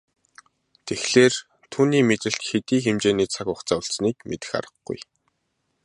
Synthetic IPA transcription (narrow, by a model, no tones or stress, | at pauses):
t̪ʰexɮeːr | t̪ʰuːniːmet̪ɘ̆ɬt̪xet̪iːxemt͡ɕeːniːt͡sʰakʊχt͡saːʊɬt͡sniːk̚met̪ɘ̆xa̰ɾə̆χɡṵj